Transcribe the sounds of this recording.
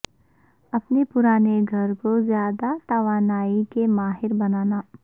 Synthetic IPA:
ɐpnepʊɾaːneɡʱɐɾkozjaːd̪at̪ɐʋaːnaːikemaːɦɪɾbɐnaːnaː

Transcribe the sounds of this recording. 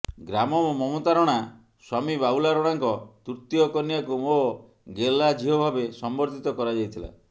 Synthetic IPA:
ɡɾamɔmomɔmot̪aɾɔɽ̃a | swamibaulaɾɔɽ̃aŋkɔt̪uɾt̪jɔkɔnjakumo | ɡelad͡ʒʱiɦɔbʱabesɔmbɔɾt̪ʰit̪ɔkɔɾad͡ʒajt̪ʰila̰

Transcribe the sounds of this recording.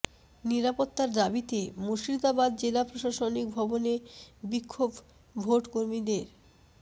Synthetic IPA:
niɾapot̪ːaɾd̪abit̪emoʃɾid̪abad̪̚d͡ʑelapɾoʃaʃonik̚bʱɔbonebikʰːob | bʱoʈkoɾmid̪eɾ

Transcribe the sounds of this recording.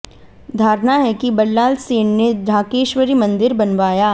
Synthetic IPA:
d̪ʱaːɾnaɦɛkibɐlːaːlseːɳned̪ʱaːkeːʃʋəɾimɐ̃nd̪ɪɾbɐnʋaːjaː

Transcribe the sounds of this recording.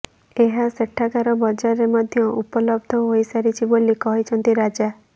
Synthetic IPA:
eɦaseʈʰːakaɾɔbɔd͡ʒaɾemɔd̪ʱjɔʔupɔlɔbd̪ʱɔɦoisaɾit͡ʃʰibolikɔɦit͡ʃʰɔnt̪iɾad͡ʒa

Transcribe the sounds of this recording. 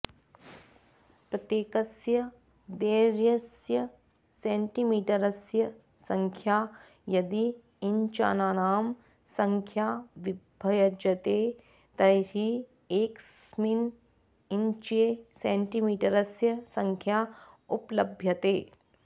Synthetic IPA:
pɾɐt̪jeːkɐsjɐ | d̪eːɾjɐsjɐ | sẽːɳʈimiːʈɐɾɐsjɐ | sɐ̃ŋkʰjaː | jɐd̪i | ɪɲt͡ʃa̰ːnaːnaːm | sɐ̃ŋkʰjaːʋɪbʱɐjɐd͡ʒɐt̪eː | t̪ɐjɦi | eːksmin | iɲt͡ʃiesẽːɳʈimiːʈɐɾɐsjɐsɐŋkʰjaː | ʊplɐbʱjɐt̪eː

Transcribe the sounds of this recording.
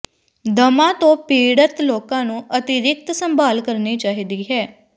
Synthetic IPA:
d̪əmãːt̪õːpeːɽət̪loːkãːnũːʔət̪ɪɾɪk̚t̪səmbaːlkəɾniːt͡ʃaːɦiːd̪iːɦɛː

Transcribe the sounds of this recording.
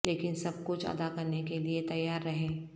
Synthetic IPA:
leːkɪnsɐb̚kʊt͡ʃʰɐ̰d̪akɐɾnekeliet̪ɐjaːɾːɐɦẽː

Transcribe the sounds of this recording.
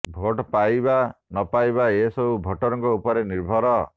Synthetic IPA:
bʱoʈpajbanɔpajbaesɔbubʱɔʈɔɾɔ̃ŋkɔupɔɾeniɾbʱɔɾɔ

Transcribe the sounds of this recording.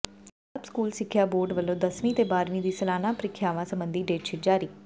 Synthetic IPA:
əpskuːlsɪkʰːjaːboːɾɖʋəlːõːd̪əsʋĩːt̪eːbaːɾʋĩːd̪iːsəlaːnãːpəɾɪkʰːjaːʋãːsəmbənd̪iːɖeːʈʃʰɪʈ̚d͡ʒaːɾiː

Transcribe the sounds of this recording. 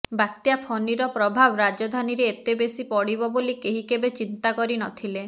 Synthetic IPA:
bat̪japʰɔniɾɔpɾɔbʱabɔɾad͡ʒɔd̪ʱaniɾeːt̪ebesipɔɽibɔbolikeɦikebet͡ʃint̪akɔɾinɔt̪ʰile

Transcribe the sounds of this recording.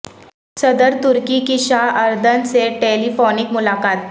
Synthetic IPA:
səd̪əɾt̪uɾkikiɕaɦəɾd̪ʱənseʈelifonikmʊlakaːt̪̚

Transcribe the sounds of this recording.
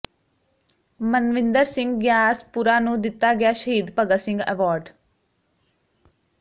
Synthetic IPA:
mənʋɪ̃nd̪əɾsɪ̃ŋɡɡjaːspuɾanũd̪ɪt̪ːaɡjaːʃəɦiːd̪pəɡəsɪ̃ŋɡɛ̰ʋaːɾɖ

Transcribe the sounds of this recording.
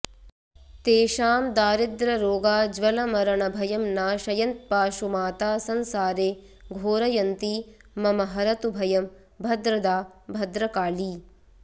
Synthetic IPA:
t̪eːʃaːmd̪aːɾid̪ɾɐɾoːɡaːd͡ʒʋɐlɐmɐɾɐɳɐbʱɐjɐmnaːʃɐjɐnt̪̚paːʃumaːt̪aːsɐnsaːɾeː | ɡʱoːɾɐjɐnt̪i | mɐmɐɦɐɾɐt̪ubʱɐjɐm | bʱɐd̪ɾɐd̪aːbʱɐd̪ɾɐkaːliː

